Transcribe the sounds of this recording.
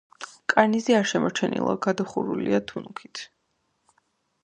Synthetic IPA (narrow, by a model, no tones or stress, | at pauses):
kʼaɾniziaɾʃɛmɔɾt͡ʃʰɛnḭlˠa̰ɡad̪ɔχuɾuliat̪ʰunukʰit̪ʰ